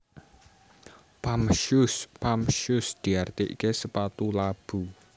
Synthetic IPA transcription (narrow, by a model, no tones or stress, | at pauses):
pamʃʊspamʃʊsd̪̥i̤art̪eʔḭkesəpat̪ulab̥u